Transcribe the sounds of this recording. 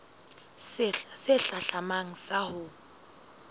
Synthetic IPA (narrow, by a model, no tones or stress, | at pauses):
sɛɬaɬamaŋ̩sahʊ